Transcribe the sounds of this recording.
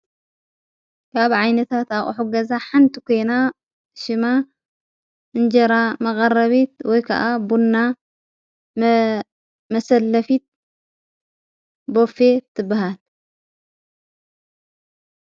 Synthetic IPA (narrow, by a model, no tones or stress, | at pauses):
kʰaβʕajnɐt̪ʰat̪aχʼħuɡɐzaħant̪ʰikʰo̞jna | ʃɨma | ʔɨnd͡ʒɐɾamɐqʼɐrɐβit̪wɔjkʰɐ̰ʔabunːa | mɐsɐlːɐfit̪̚ | bo̞fe̞t̪ʰːɨbːaɦal